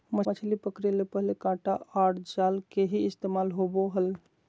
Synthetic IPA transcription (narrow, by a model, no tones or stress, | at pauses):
məət͡ʃʰlipəkɾelepəɦlekãʈaaʈd͡ʒalkeɦiist̪emalɦoboɦəl